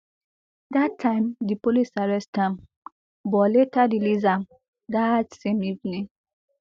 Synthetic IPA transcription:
d̪atʰːãɪ̃mdipolisaɹɛstãm | bɔletaɾilizãm | d̪atsẽmivnĩ

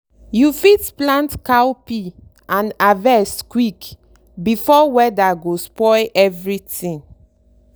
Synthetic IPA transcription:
jufitplãntkawpi | ãnavɛskwik | bifɔwɛdaɡospɔɪʔɛvɹitĩŋ

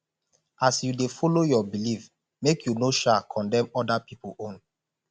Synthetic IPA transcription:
ʔasjudefɔlojɔbilif | mekʰjunoʃakʰɔ̃ndɛ̃mɔdapipõn

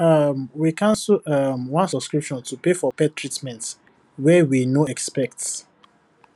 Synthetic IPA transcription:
amwikʰãnsuamwãnsɔbskɹipʃɔ̃ntupefɔpɛtɹitmɛ̃nt | wɛwinoɛkspɛk̚ts

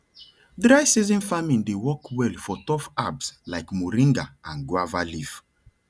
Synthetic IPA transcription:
dɹaɪsizɔ̃nfamĩndewɔkwɛlfɔtɔfabslaɪkmoɾĩŋɡaãnɡwavalif

